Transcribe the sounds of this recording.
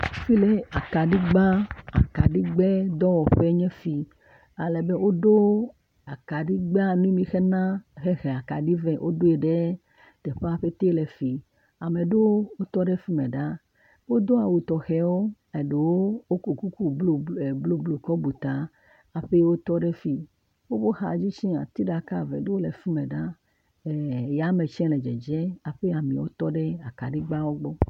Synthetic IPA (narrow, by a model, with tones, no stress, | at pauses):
fi˦le˨a˨ka˨ɖi˦ɡ͡ba˦a̰˨ka˨ɖi˦ɡ͡be˦d̪ɔ˦wɔ˨ɸe˦ɲɛ̃˦fi˨ | a˨lɛ˨be˦wʔo˦ɖo˦ | a˨ka˨ɖi˦ɡ͡ba˦nũ˦mĩ˨xɛ˦nã˦xe˦xɛ˨a˨ka˨ɖi˦vɛ˦ʔo˦ɖo˦e˨ɖe˦ | d̪̥e˨ɸe˦a˦ɸe˦t̪e˦le˨fi˨ | a˨mẽ˨ɖo˦wo˦t̪ɔ˦ɖe˦fi˦mẽ˨ɖa˦ | wo˦d̪o˦a˨wu˨t̪ɔ˨xɛ˨wo˦ | e˨ɖe˨wo˦wo˦ku˨ku˦ku˦lo˨blo˦blo˨kɔ˦bu˨t̪a˨ | a˨ɸe˦wo˦t̪ɔ˦ɖe˦fi˨ | wo˦bo˦xa˨d͡ʑi˦t͡ʃĩ˦a̰˨t̪i˦ɖa˨ka˦˨vḛ˨ɖe˦wo˦le˨fi˦mẽ˨ɖa˦˨ | ja˨˦me˨t͡ʃɛ̃˦le˨d͡ʒɛ̰˨d͡ʒɛ˦a˨ɸe˦a˨mĩ˨wo̰˦t̪ɔ˦ɖe˦a˨ka˨ɖi˦ɡ͡ba˦wo˦ɡ͡bɔ˦